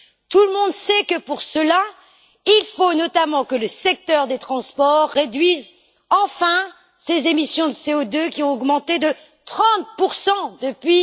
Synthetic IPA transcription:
t̪uləmɔ̃d̪sɛkəpuʁsəla | ilfonɔt̪amɑ̃kələsɛk̚t̪œʁd̪et̪χɑ̃spɔʁːed̪ɥiz | ɑ̃fɛ̃ | sezemisjɔ̃d̪əseod̪økʲiɔ̃ɔɡmɑ̃t̪ed̪ə | t̪χɑ̃t̪̚puʁsɑ̃d̪əpɥi

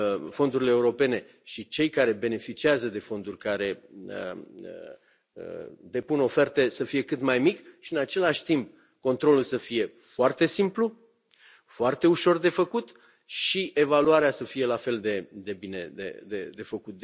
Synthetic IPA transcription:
fo̞nd̪uɾileːuɾo̞pe̞ne̞ | ʃit͡ʃe̞jkaɾe̞be̞ne̞fit͡ʃiazəd̪e̞fo̞nd̪urʲkaɾe̞ə̰ | d̪e̞puno̞fe̞rt̪e̞səfije̞kɨt̪majmikʃiɨnat͡ʃe̞laʃʲt̪imp̚ | ko̞nt̪ɾo̞lulsəfije̞foart̪e̞simplu | foart̪e̞uʃo̞rd̪e̞fəkut̪ | ʃiʔe̞valuaɾeasəfije̞lafe̞ld̪e̞d̪e̞bine̞̰d̪ḛd̪ḛd̪e̞fəkut̪̚

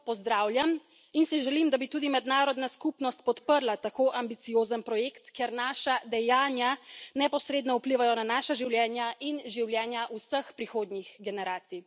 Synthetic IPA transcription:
pɔzd̪ɾaːwlʲjam | insiʒɛlimd̪abit̪uːd̪imɛd̪naːɾɔd̪naskupnɔst̪̚pɔt̪pəɾlat̪akoʔambit̪sijoːzənpɾɔjeːkt̪keɾnaːʃad̪ɛjaːnjanɛpɔsɾeːd̪nɔupliʋajɔnanaːʃaʒiwljɛːnjaʔinʒiwljɛːnjaʔusəxpɾixoːd̪nixɡɛnɛɾaːt̪si

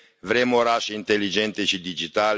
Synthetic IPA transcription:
vɾemoɾaʃint̪elːid͡ʒɛnt̪it͡ʃid̪id͡ʒit̪aːl

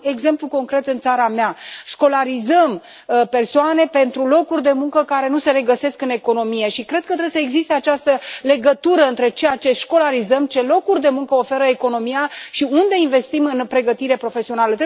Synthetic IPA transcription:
e̞ɡze̞mpluko̞ŋkɾe̞t̪ɨnt̪saɾameaʃko̞laɾizəm | pe̞rsoane̞pe̞nt̪ɾulo̞kurʲd̪e̞muŋkəkaɾe̞nuse̞ɾe̞ɡəse̞skɨne̞ko̞no̞mije̞ʃikɾe̞d̪̚kət̪ɾebesəeɡzist̪eat͡ʃast̪əle̞ɡət̪uɾəɨnt̪ɾe̞t͡ʃe̞jat͡ʃe̞ʃko̞laɾizəmt͡ʃe̞lo̞kurʲd̪e̞muŋkəofe̞ɾəeko̞no̞mijaʃiund̪e̞inve̞st̪imɨnpɾe̞ɡət̪iɾe̞pɾo̞fe̞sio̞nalət̪ɾe

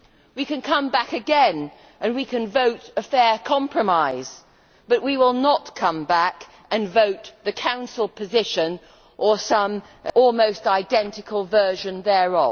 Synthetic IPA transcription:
wikɨ̃nkʰʌ̃mbækɨɡɛ̃n | ʔɨ̃nwikʰɨ̃nvoʊɾɨfɛɹkʰɑ̃mpʰɹ̥ɨmaɪz̥ | b̥ʌʔwiwɪlˠnətkʰʌ̃mbæk | ɨ̃nvoʊt̪̚ðɨkʰãʊ̃nsl̩ˠpʰɨzɪʃɨ̃n | ʔə˞sʌ̃m | ɔlˠmoʊstaɪdɛ̃ntɨkʰəlˠvɜ˞ʒɨ̃nðə˞ə

